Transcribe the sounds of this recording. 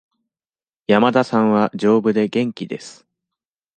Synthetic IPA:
jamad̪asãɰ̃βad͡ʑo̞ːbɯ̟d̪e̞ɡẽ̞ŋkʲid̪e̞sɨ̥

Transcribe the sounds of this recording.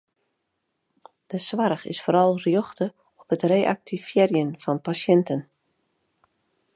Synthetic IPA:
d̥əsʋaɾəxɪ̰sfoːɾɑlˠrjoxtə | ɔpətreːʔa̰k̚tifjɛrjənfɔnpasjɛntən

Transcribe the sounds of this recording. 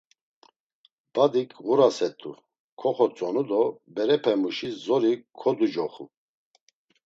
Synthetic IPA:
b̥ad̪ikʰɣuɾasɛt̪ʼu | kʰɔχɔt͡sʼɔnud̪ɔbɛɾɛpʰɛmuʃizɔɾikʰːɔd̪ud͡ʒɔχṵ

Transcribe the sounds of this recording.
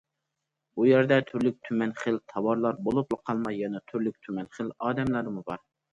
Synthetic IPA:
ujæɾd̪ɛt̪ʰyɾlyk̚ʲt̪ʰymɛnχəlt̪ʰɑwɑɾlˠɑɾbolˠuplˠəqʰɑlˠmɑjːɑnɛt̪ʰyɾlyk̚ʲt̪ʰymɛnχəlɑːd̪ɛmlˠɑɾmubɑ̰ɾ

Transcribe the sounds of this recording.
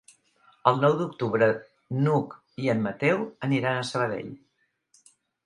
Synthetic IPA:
əlˠnɔwd̪uk̚t̪uβɾə | nuk | iəmːət̪ɛwəniɾanəsəβ̞əðḛʎ

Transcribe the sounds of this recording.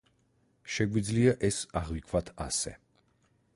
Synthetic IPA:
ʃɛɡwid̪zliaʔɛsaʁvikʰvat̪ʰasɛ̰

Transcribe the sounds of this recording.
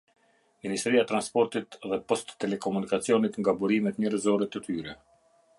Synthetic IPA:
minist̪ɾiat̪ɾanspɔɾt̪it̪ðɛpɔst̪ːɛlɛkɔmunikat͡sijɔnit̪ŋɡabuɾimɛt̪ɲəɾɛzɔɾɛt̪ət̪yɾɛ

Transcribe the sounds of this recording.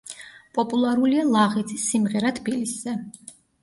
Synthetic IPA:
pʼɔpʼulˠaɾulialˠaʁit̪sʰisːimʁɛɾat̪ʰbiliszɛ

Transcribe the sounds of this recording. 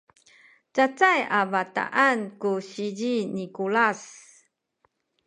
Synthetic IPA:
t͡sat͡sajavata̰ʔankuɕiɟinikulas

